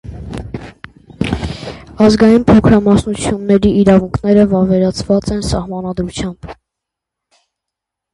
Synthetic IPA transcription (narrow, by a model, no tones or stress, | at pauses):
ɑzɡɑjinpʰɔkʰɾɑmɑsnut͡sʰjunːɛɾiːɾɑvuŋkʰn̪ɛɾəvɑɾvɛɾɑt͡sʰvɑt͡sɛnsɑhmɑnɑd̪ɾut͡sʰjɑmb̥